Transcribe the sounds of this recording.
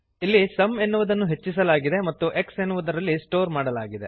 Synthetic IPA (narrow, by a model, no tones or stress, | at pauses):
ilːisɐme̞nːuʋud̪ɐnːuɦe̞t͡ʃːis̬ɐlaːɡid̪emɐt̪ːuʔe̞ksenːuʋud̪ɐɾɐlːisʈo̞ːɾmaːɽɐlaːɡid̪e̞̰